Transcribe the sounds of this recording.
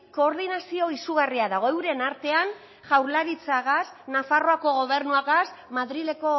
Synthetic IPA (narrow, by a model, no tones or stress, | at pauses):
ko̞ːɾðinasio̞isuɣariaðaɣ̞o̞ewɾe̞naɾt̪e̞an | ʝawɾlaɾit͡saɣasnafaro̞ako̞ɣ̞o̞β̞e̞ɾnuaɣasmaðɾile̞ko̞